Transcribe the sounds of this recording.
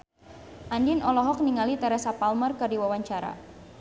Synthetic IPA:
ʔandinɔlɔɦɔk̚niŋalit̪ɛɾɛsapalmərkɨrdiwawaɲt͡ʃaɾa̰

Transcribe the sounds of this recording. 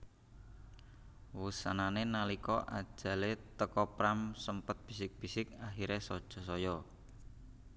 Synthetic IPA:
wusananenalikɔʔa̰d̥ʒ̥ä̤let̪əkɔpɾamsəmpət̪̚b̥isɪk̚b̥isɪkaxiɾesɔd̥ʒ̥ɔ̤sɔjɔ

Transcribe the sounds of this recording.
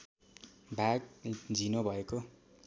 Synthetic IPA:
bʱak̚d͡zinobʱʌeko

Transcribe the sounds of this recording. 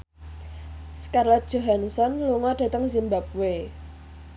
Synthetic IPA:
skarlɔt̪̚ʒ̥o̤ɦansɔnluŋɔd̥ä̤t̪əŋs̬imbap̚we

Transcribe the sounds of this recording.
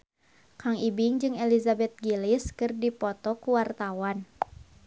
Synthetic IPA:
kaŋibɪŋd͡ʒɨŋɛlizabɛt̪̚ɡiliskɨrdipɔt̪ɔkuwart̪awan

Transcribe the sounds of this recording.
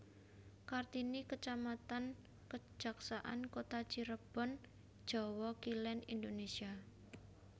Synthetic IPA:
kart̪inikət͡ʃamat̪an | kə̥d͡ʒ̥a̤ksaʔa̰nkot̪at͡ʃiɾəb̥ɔ̤n | d̥ʒ̥ɔ̤wɔkilɛnḭnd̪onesia

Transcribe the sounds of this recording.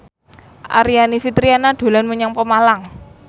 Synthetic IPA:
ʔa̰ɾianifit̪ɾianaɖ̪̥o̤lanməɲaŋpəmalaŋ

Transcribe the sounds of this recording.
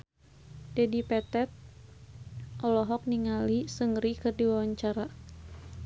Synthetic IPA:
dedipɛt̪ɛt̪̚ | ʔɔlɔɦɔk̚niŋalisəŋɾikɨrdiwawaɲt͡ʃaɾa

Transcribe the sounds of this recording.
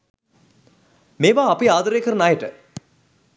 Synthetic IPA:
meːʋaːɐpiaːd̪əɾejːkəɾənajəʈə

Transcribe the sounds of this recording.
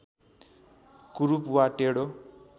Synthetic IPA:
kuɾupwaʈeɽo

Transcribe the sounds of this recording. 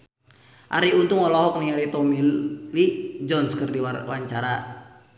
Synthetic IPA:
ʔa̰ɾiunt̪uŋɔlɔɦɔk̚niŋalit̪ɔmillid͡ʒɔnskərdiwawaɲt͡ʃaɾa

